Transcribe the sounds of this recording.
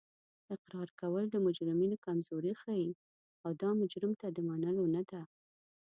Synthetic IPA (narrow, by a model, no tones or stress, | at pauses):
ɪqɾɑɾkawəld̪əmʊd͡ʒɾɪminokamzoɾixaji | awd̪ɑmʊd͡ʒɾɪmt̪ad̪əmanəlonad̪a